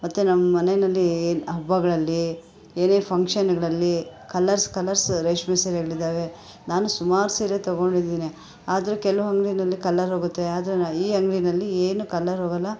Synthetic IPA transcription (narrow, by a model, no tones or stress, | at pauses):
mɐt̪ːunɐmːɐmɐnenɐlːieːnɐbːɐɡɐɭɐlːi | eːneːpʰɐŋkʂɐnɡɐɭɐlːikɐlːɐɾskɐlɐɾsɾɐjʂmeseɾɐɡɐɭid̪aːʋe̞ | naːnusumaːɾsiːɾet̪ɐɡo̞ɳɖid̪ːiːni | aːd̪ɐɾukɛlɐʋuɦɐŋɡɾinɐlːikɐlːɐɾɦoːɡut̪ːeaːd̪ɐɾeiːɦɐŋɡɭinɐlːieːnukɐlːɐɾɦoːɡɐlːɐ